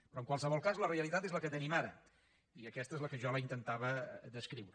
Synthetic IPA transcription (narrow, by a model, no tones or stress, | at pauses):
pɾɔəŋkwalˠsəβɔlˠkazləreəlit̪at̪ezləkət̪ənimaɾə | iəkɛst̪əezləkəʒɔləint̪ənt̪aβəd̪əskɾiwɾə